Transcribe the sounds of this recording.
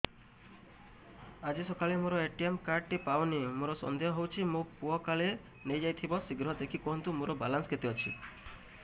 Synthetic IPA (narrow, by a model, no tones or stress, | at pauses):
ad͡ʒisɔkalemoɾɔeʈiemkaɾɖ̚ʈipawniemoɾɔsɔ̰nd̪eɦɔɦowt͡ʃʰimopuɔkale | nejd͡ʒajt̪ʰibɔsiɡɾɦɔd̪ekʰikɔɦɔnt̪umoɾɔba̰lansɔket̪iɔt͡ʃʰḭ